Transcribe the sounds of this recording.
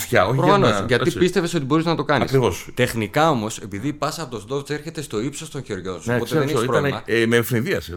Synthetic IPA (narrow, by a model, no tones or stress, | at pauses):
fçɐoçpɾoɐnosʝɐt̪ipist̪e̞ve̞so̞t̪ibo̞ɾiznɐt̪okɐnɐḭskɾivost̪e̞xnikɐo̞mo̞se̞piðipɐsɐpo̞t̪ost̪o̞ft͡seɾçe̞t̪e̞st̪o̞ipso̞st̪o̞nçeɾʝonssoeokseeeneçipɾoɐlemɐmelfɾinðiɐse